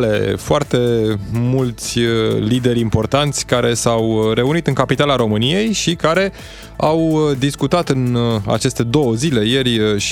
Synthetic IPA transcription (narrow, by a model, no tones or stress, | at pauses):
le̞foart̪e̞mult̪sʲlid̪e̞ɾʲimpo̞rt̪ant̪sʲkaɾe̞sawɾe̞unit̪ɨŋkapit̪alaɾo̞mɨnije̞jʃikaɾe̞ | awd̪iskut̪at̪ɨna̰t͡ʃe̞st̪e̞d̪o̞wəzile̞je̞rʲʃ